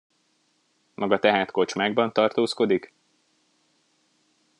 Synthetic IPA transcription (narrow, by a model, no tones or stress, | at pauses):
mʔɒɡɒt̪ɛɦaːt̪ko̞t͡ʃmaːɡ̚bɒnt̪ɒrt̪oːsko̞d̪ik